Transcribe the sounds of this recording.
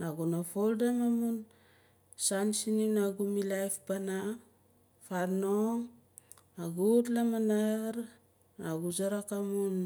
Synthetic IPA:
naɡunafoldamamun | sansininaɡumilajfpana | faɾno | aɡutlamanaɾ | naɡuzaɾakamun

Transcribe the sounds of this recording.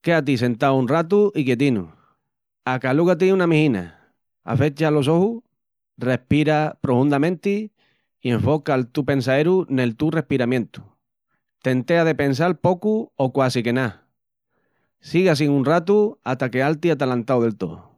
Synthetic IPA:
ke̞at̪̬ise̞nt̪awunrat̪uʔikjet̪̬inṵ | akaluɣat̪̬iunamĩhĩna̰ | a̰fe̞t͡ʃalo̞s̬o̞hu | re̞hpiɾapɾo̞fund̪amẽnt̪i | ie̞ɱfo̞kalt̪upe̞ns̬aeɾune̞lt̪ure̞hpiɾamjẽ̞nt̪u̥ | t̪e̞nt̪e̞aðe̞pe̞ns̬alpo̞kuokwasike̞na | siɣas̬iŋunrat̪uat̪ake̞alt̪iat̪alant̪awðe̞lt̪o̰

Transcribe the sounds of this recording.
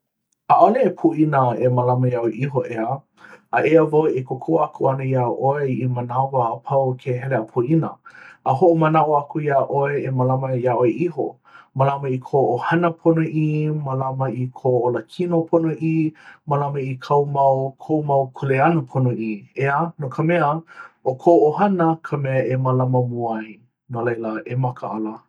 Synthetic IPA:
aʔoleepʰuʔinəemɐlaməjaoeʔiɦoʔeə | ɐʔeəvoekʰokʰoakʰuɐnəiaʔoeimɐnavaʔəpʰɐwkʰeɦɛleapʰuʔinɐ̰əɦoʔomɐnaʔoakuiaʔoeemalamɐjaʔoeʔiɦo̰ | mɐlamɐikʰoʔohɐnəpʰonoʔimalamɐikʰooləkʰinopʰonoʔimɐlamɐikʰɐwmɐwkʰowmawkʰoleɐnəpʰonoʔieanokʰəmɛəokʰooɦɐnəkʰəmɛəʔeməlaməmuaj | nolejləemɐkʰəa̰lə

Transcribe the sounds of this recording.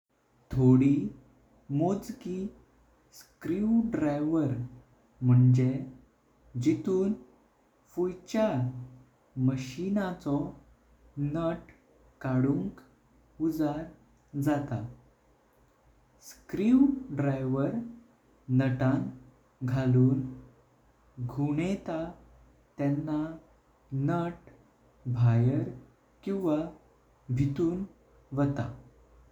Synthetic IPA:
t̪ʰoɽi | mod͡zki | skɾiwɖɾajʋəɾ | m̤əɳd͡ʑe | d͡ʑit̪uːn | fujt͡ɕa | məɕinat͡sɔ | nəʈ | kaɽuŋk | ud͡zaɾ | d͡zat̪a | skɾiwɖɾajʋəɾ | nəʈãn | ɡʱaluːn | ɡʱuɳet̪a | t̪janːa | nəʈ | bʱajəɾ | kĩw̃ʋa | bʱit̪uːn | ʋət̪a̰

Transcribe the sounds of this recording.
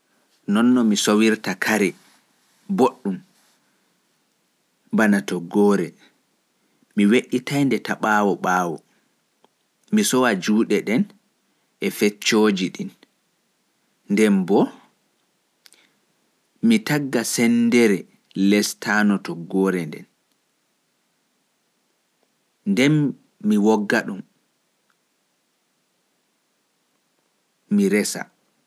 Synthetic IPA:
nɔnːɔmisowiɾtakʰaɾɛ | boɗːum | banatɔɡːɔːɾɛ | miweɗːitajndɛtaɓaːwɔɓaːwɔ̰ | misɔwad͡ʒuːɗɛɗɛn | ɛfɛt͡ʃːoːd͡ʒiɗin | ndɛmbɔ | mitaɡːasɛndɛɾɛ | lɛstʰanɔtɔɡɔɾɛndɛ̰n | ndɛnː | iwɔɡːaɗum | iɾɛsa̰

